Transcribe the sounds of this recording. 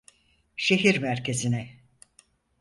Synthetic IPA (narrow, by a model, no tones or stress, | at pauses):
ʃe̞ɦiɾmæɾcʰe̞zinɛ